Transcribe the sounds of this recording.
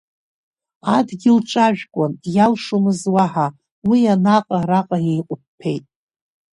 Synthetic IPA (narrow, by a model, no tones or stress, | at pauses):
adɡʲɪlʈ͡ʂʼaʒᶣkʷʼʊnjalʂomɨzwaħa | wianaqʼaɾaqʼajejqʷʼʊp̚pʰe̞jtʼ